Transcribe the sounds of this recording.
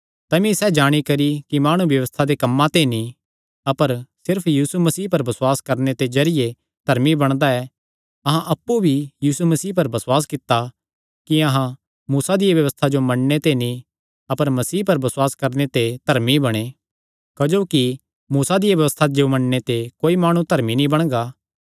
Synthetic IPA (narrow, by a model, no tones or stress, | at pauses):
t̪ɐmĩsɛd͡ʒaːɽ̃ikɐɾikimaːɽ̃ubjɐʋəst̪ʰad̪ekɐmːãt̪enĩ | ɐpəɾsɪɾpʰjiːsumɐsiːpɐɾbɐswaːskɐɾnet̪ed͡ʒɐɾɪje | d̪̥ʱɐɾmibɐɽ̃d̪aɛː | ɐɦãʔɐpːubʱijiːsumɐsiːpɐɾbɐswaːskɪt̪ːa | kiɐɦã | muːsad̪ɪjeʋjɐʋəst̪ʰad͡ʒomɐɽnet̪enĩ | ɐpəɾmɐsiːpɐɾbɐswaːskɐɾnet̪ed̪ʱɐɾmibɐɽ̃e | kɐd͡ʒoːki | muːsad̪ɪjaʋjɐʋəst̪ʰad͡ʒomɐɳnet̪ekoːimaːɽ̃ũt̪ɐɾminĩbɐɽ̃ɡaː